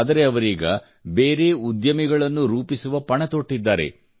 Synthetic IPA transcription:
d̪ɐɾe̞ɐʋɐɾiːɡɐ | be̞ːɾe̞ːud̪jɐmiɡɐɭɐnːuɾuːpisuʋɐpɐɳɐt̪o̞ʈːid̪ːaːɾe̞̰

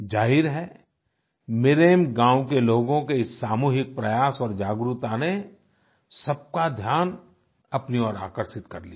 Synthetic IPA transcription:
d͡ʒaːɦɪɾɦɛ | mɪːɾeːmɡãːwkeloːɡõkesːaːmuːɦɪk̚pɾɐjaːsɔːɾd͡ʒaːɡɾʊt̪ane | sɐb̚kad̪ʱjaːn | ɐpniɔːɾa̰ːkəɾʃɪt̪kɐɾlia

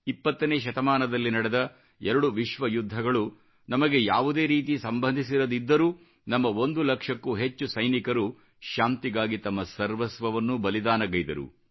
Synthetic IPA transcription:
ipːɐt̪ːɐneːʃ̬ɐt̪ɐmaːnɐd̪ɐlːinɐɽed̪ɐ | ɛɾɐɽuʋiʃʋɐjud̪ʱːɐɡɐɭu | nɐmɐɡe̞jaːʋud̪e̞ːɾiːt̪isɐmbʱɐnd̪ʱis̬iɾɐd̪id̪ːɐɾuː | nɐmːɐo̞nd̪ulɐkʂɐkːuɦe̞t͡ʃːusɐjnikɐɾu | ʃaːnt̪iɡaːɡit̪ɐmːɐsɐɾʋɐsʋɐʋɐnːubɐlid̪aːnɐɡɐjd̪ɐɾṵ

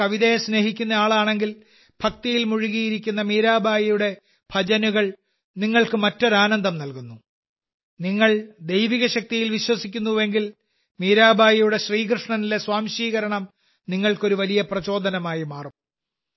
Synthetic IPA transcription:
ɐʋiðɐjesne̞ːɦikʲːunːɐaːɭaːɳe̞ŋɡil | b̥ʱɐk̚t̪ijilmuɻiɣijiɾikʲːunːɐmiːɾaːbʱaːjɐjuɽe̞ | b̥ʱɐd͡ʑɐnuɣɐɭ | niŋːɐɭkɨmɐtːo̞ɾaːnɐnd̪ʱɐmnɐlkunːu | niŋːɐɭd̪e̞jʋiɣɐɕɐk̚t̪ijilʋiɕwɐsikʲːunːuʋe̞ŋɡil | miːɾaːbʱaːjɐjuɽe̞ɕriːkrɨʂɳɐnile̞swaːmɕiːɣɐɾɐɳɐm | niŋːɐɭko̞ɾuʋɐlijɐprɐt͡ɕo̞ːd̪ɐnɐmaːjimaːrum

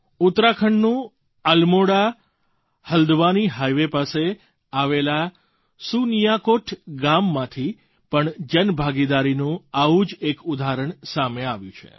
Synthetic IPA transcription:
ʊt̪ɾakʰəɳnũ | əlmoɽa | həld̪ʋaniɦajʋepase | aʋela | sunijakoʈʰɡamːãt̪ʰi | pəɳd͡ʒənbʱaɡid̪aɾinũaʋũd͡ʒekud̪ʱaɾəɳsameaʋjṵ̃t͡ʃʰḛ

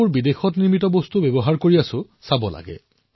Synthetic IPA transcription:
uɹbidexɔtniɹmitɔbostubebɔɦaɹkoɹiasʊ̃ | sabɔla̰ɡɛ̰

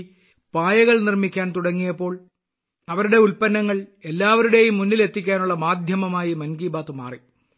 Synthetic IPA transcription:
paːjɐɣɐɭnirmikʲːaːnt̪uɽɐŋːijɐpːo̞ːɭ | ɐʋɐɾuɽe̞ulpɐnːɐŋːɐɭe̞lːaːʋɐɾuɽe̞jumːunːile̞t̪ːikʲːaːnuɭːɐmaːd̪ʱjɐmɐmaːjimɐnɡiːbaːt̪ːuma̰ːri

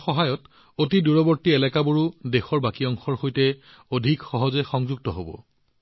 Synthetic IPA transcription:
xɔɦajɔt | otiduɹɔbɔɹtiɛlɛkaboɹudexɔɹbakiɔŋxɔɹxojtɛ | odʱikxɔɦɔzɛxɔŋzuɡ̚tɔɦobɔ̰

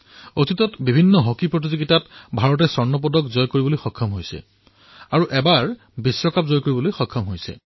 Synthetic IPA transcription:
otitɔtbibʱinːɔɦokipɹot̬izoɡitatbʱaɹɔt̬ɛsɔɹnɔp̬ɔdɔkzɔjkoɹibolojxɔkʰːɔmɦojsɛ̰ | aɹuʔɛbaɹ | bisːɔkapzɔjkoɹibɔlojxɔkʰːɔmɦojsɛ̰

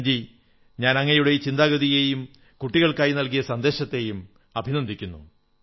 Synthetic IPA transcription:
d͡ʑi | ɲaːnɐŋːɐjuɽe̞t͡ɕind̪aːɣɐðijejum | kuʈːiɣɐɭkaːjinɐlkijɐsɐnd̪e̞ːɕɐt̪ːe̞jum | ɐbʱinɐnd̪ikʲːunːu

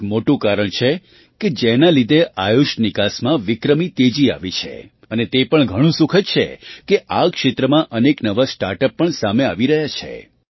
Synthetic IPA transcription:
moʈũkaɾəɳt͡ʃʰe | ked͡ʒenalid̪ʱeʔajuʃnikasmãʋɪkɾəmit̪ed͡ʒia̰ʋit͡ʃʰḛ | ənet̪epəɳɡʱəɽ̃ũsukʰət̪̚t͡ʃʰḛkeʔakʃet̪ɾəmãʔəneknəʋasʈaɾʈəpːəɳsameaʋiɾəɦjat͡ʃʰḛ

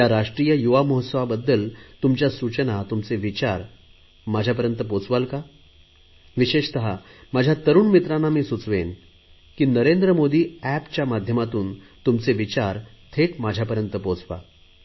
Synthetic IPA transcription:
jaɾaʂʈɾijəjuʋamɔɦət̪səʋabəd̪ːəlt̪umt͡ɕjasut͡ɕənat̪umt͡seʋit͡ɕaɾ | mad͡ʑʱap̬əɾjənt̪əpot͡sʋalka | ʋiɕeɕt̪əɦamad͡ʑʱjat̪əɾuːnmit̪ɾanːamiːsut͡sʋen | kiːnəɾend̪ɾəmod̪iːæpt͡ɕjamad̪ʱjəmat̪uːnt̪umt͡seʋit͡ɕaɾ | t̪ʰeʈmad͡ʑʱjapəɾjənt̪əpot͡sʋa̰

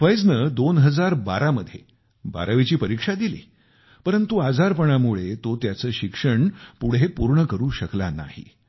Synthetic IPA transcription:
fəjd͡znəːd̪onɦəd͡zaɾba̰ɾaməd̪ʱːje | ba̰ɾəʋit͡ɕiːpəɾikʂad̪ilḭː | pəɾənt̪uad͡zaɾpəɳ̃amuɭet̪ot̪jat͡səːɕikʂəɳpuɽ̤ɦepuɾɳəkəɾuːɕəklana̰hḭ

